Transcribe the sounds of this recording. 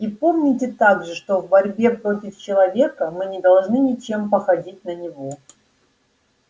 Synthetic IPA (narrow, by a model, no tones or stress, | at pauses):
ipo̞mnʲɪtʲɪt̪aɡʐɨʂt̪o̞vbɐɾʲbʲe̞pɾo̞tʲɪft͡ɕɪlˠɐvʲe̞kəmɨnʲɪd̪ɐlˠʐnɨnʲɪt͡ɕe̞mpəxɐdʲit̚ʲnənʲɪvo̞